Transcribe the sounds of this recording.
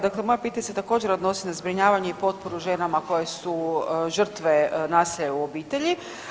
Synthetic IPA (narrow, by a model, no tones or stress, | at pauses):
d̪aklemo̞japit̪aɲeset̪ako̞ːd͡ʑe̞ɾod̪no̞sinazbɾiɲaːʋaɲeipo̞t̪̚poɾuʒe̞ːnamako̞jesuʒr̩t̪ʋe̞naːsiʎeuobiːt̪e̞ʎi